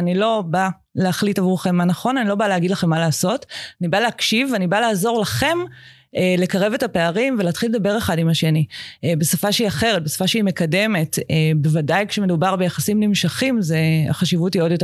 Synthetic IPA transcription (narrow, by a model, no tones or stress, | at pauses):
anilo̞ba | leaχlitavuʁχe̞mːanɐχo̞nanilo̞baleaɡidlaχe̞mːalaːso̞tanibaleakʃivanibalaːzo̞ʁlaχe̞m | ele̞kaʁe̞ve̞tape̞aʁimvelaːtχiled̪abe̞ʁeχadimaʃe̞nibe̞safaʃeiaχe̞ʁet̚be̞sḁfaʃeime̞kade̞me̞tebe̞vadajkʃeme̞dubaʁbe̞jaχasimnimʃaχimzea̰χaʃivuthio̞djote